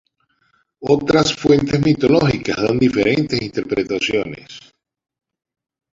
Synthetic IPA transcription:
o̞t̪ɾasfwe̞nt̪e̞zmit̪o̞lo̞xikazðond̪ife̞ɾe̞nt̪e̞sint̪e̞ɾpɾe̞t̪asjo̞nḛs

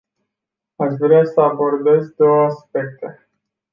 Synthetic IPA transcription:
aʃvɾeasəabo̞rd̪e̞zd̪o̞wəaspe̞k̚t̪e̞

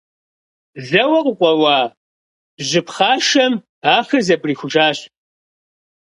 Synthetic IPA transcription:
ɮɐwɐqʷʊqʷɔwɑː | ʑɪpχaːʃɐm | aːxɨzɐpʼriːxʷʊʒaːɕ

